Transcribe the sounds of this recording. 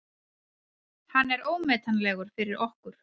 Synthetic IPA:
hanːɛɾoːwmɛːt̪anlɛːɣʏɾ̥fɪɾɪɾɔhkʏɾ̥

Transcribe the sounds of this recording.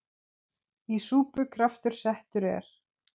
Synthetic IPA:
isuːpʏkʰɾaft̪ʏɾ̥sɛht̪ʏɾɛ̰ɾ̥

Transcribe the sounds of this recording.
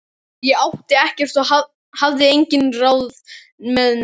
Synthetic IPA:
jɛawht̪ɪɛhcɛr̥t̪ɔha | havðɪejɲcɪnraːwð | mɛðn

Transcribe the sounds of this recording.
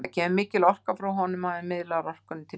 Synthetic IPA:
acʰɛːmʏmɪːcɪlɔr̥kafɾawɦɔnʏmaðɪmɪðlaɾɔr̥kʏnt̪ʰɪ

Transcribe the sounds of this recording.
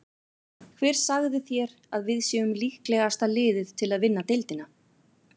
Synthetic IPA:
kʰvɛːɾ̥saɣðɪθjɛɾ | aðvɪðsjɛːʏmlihklɛɣast̪alɪːðɪðt̪ʰɪlaðvɪnːat̪ejlt̪ɪna

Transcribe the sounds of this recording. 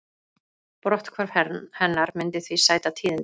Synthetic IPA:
pɾɔht̪kʰvaɾvhɛhɛnːaɾmɪnt̪ɪθvisaːjt̪at̪ʰiːðɪn

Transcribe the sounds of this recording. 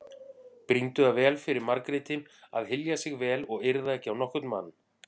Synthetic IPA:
pɾint̪ʏavɛːlfɪɾɪɾmaɾkɾɪt̪ɪma̰ðɦɪljasɪɣvɛːlɔɣɪɾðaɛhcːɪawnɔhkʏt̪nma̰n

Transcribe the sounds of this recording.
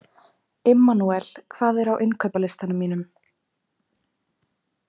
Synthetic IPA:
ɪmːanuɛl̥kʰv̥aːðɛɾawʔɪnkʰœpalɪst̪anʏmːiːnʏm

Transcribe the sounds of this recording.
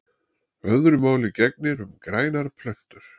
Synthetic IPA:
œðɾʏmaːwlɪcɛk̚nɪɾʏmkɾaːjnaɾpʰlœxt̪ʏɾ̥

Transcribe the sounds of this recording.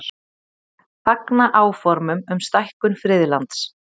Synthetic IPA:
faknaʔaːwfɔɾmʏmʏmst̪ajhkʏnfɾɪːðlant̪s

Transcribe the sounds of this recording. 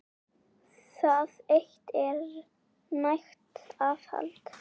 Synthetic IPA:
θaðejxt̪ɛɾ | najxt̪aːfha̰lt̪

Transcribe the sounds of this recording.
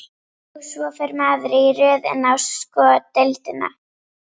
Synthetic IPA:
svɔfɛɾmaːðɾɪirʏːðɛ̰nawskɔt̪ɛlt̪ɪna̰

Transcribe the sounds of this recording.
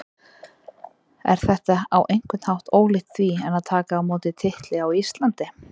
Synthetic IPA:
ɛ̰ɾ̥θɛht̪aawʔejŋkwɪt̪nhawht̪oːwɣlɪht̪θviɛnaðt̪ʰaːkaːwmoːwt̪ɪt̪ʰɪht̪lɪawist̪lant̪ɪ

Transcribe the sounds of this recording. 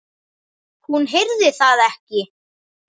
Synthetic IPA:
hunɦejɾðɪθaðɛhcɪ

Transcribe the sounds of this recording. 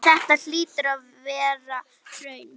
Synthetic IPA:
θɛht̪al̥iːt̪ʏɾað | vɛːɾa | ɾœɥn

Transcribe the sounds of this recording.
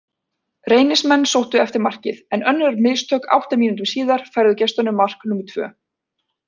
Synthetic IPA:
reːjnɪsmɛnːsowht̪ʏɛft̪ɪɾmar̥cɪ̰ðɛnœnːɾmɪlst̪ʰœːka̰wht̪amiːnut̪ʏmsiːðaɾ̥fajɾðʏcɛst̪anʏmːar̥knuːmʏɾt̪ʰvœ̰ː

